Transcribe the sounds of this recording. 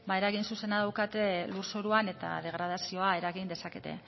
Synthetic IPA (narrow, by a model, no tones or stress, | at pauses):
baeɾaɣinsuse̞naðawkat̪e̞luɾsoɾuane̞t̪a̰ð̞e̞ɣ̞ɾað̞asio̞ae̞ɾaɣind̪e̞sake̞̰t̪e̞̰